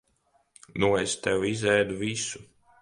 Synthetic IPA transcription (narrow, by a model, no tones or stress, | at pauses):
nuest̪ɛwizɛjd̪uvisu̥